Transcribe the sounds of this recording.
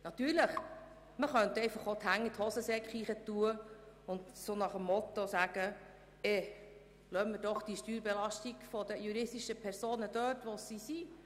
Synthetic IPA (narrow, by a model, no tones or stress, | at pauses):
nɑt̪yːɾləχ | məχœnt̪ɛɪfɑχot̪hæŋːit̪hɔsəsɛkχiːχət̪uə | ʊnd̪sonɑχəmːɔt̪osæːɡ̥ə | ɛ | lœmmːəd̥ɔχd̥iʃtyːɾbɛlɑʃtiɡfɔd̪əjuɾɪstiʃəpʰɛɾsoːnəd̥̪œːtʋosisi